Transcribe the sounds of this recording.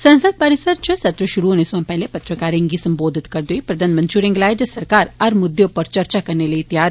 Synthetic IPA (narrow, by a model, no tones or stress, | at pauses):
sɐ̃nsəd̪̚paɾɪsəɾt͡ʃəsɐt̪ɾəʃʊɾuɦoːnesãːpɛɦlepɐt̪ɾəkaːɾɪ̃ŋɡisɐ̃mboːd̪ʱɪt̪kɐɾd̪uipɾɐd̪aːnmɐ̃nt͡ʃuɾɪ̃ŋɡlaːed͡ʒəsɐɾkaːɾɐɾmʊd̪eʊpəɾt͡ʃɐɾt͡ʃakɐɾneləit̪jaːɾ